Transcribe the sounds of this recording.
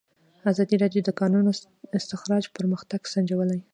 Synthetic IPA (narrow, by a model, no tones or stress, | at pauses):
azɑd̪iɾɑd̪jod̪əkɑnuno | ɪst̪ɪxɾɑd͡ʒpəɾməxt̪aɡ̥sand͡ʒawəlaj